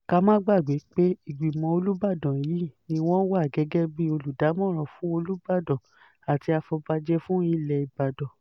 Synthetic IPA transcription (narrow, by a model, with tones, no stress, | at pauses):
ka˧mãː˦ɡ͡ba˦˨ɡ͡be˨˦k͡pe˦i˦˨ɡ͡bi˨mɔ̃˧o˧lu˦ba˦˨dɔ̃˨ji˨˦nĩ˧w̃ɔ̃˦wa˦˨ɡɛ˨˦ɡɛ˦bi˦o˧lu˨da˨˦mɔ̃˦˨ɾ̃ɔ̃˧˨fũ˨˦o˧lu˦ba˦˨dɔ̃˨ | a˨ti˧a˧fɔ˧ba˧d͡ʒɛ˦fũ˦i˦lɛ˧i˨ba˨dɔ̃˨